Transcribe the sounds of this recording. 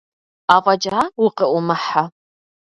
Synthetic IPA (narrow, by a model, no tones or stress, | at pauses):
aːʁʼɐd͡ʒaaːwʊqəʔʷʊmɐħa